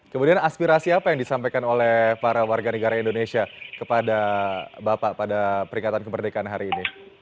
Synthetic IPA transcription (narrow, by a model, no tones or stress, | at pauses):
kəmudianaspiɾasiapajaŋdisampajkanolɛhpaɾawarɡanəɡaɾaindonesiakəpadabapapadapəɾiŋat̪ankəbərdekaʔanɦaɾiːni